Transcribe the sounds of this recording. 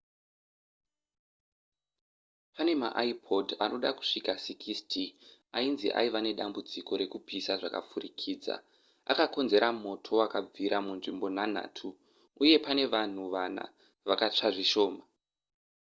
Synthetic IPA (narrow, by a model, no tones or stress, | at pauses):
pane̞ma̰ʔaipʰodanʔo̞ɗaku̥ʂikasikʰistʰi | ainzḭʔa̰iʋane̞ɗambud͡ziko̞ɾe̞kupisaʐaka̰p͡furikʰiːd͡za̰ | a̰kako̞nze̞ɾʔamo̞tʰo̞wakab͡viɾamunʐimbo̞nan̤a̰ːtʰuː | je̞pane̞ʋan̤uʋana̰ | ʋakat͡ʂaʐiʃo̞ːma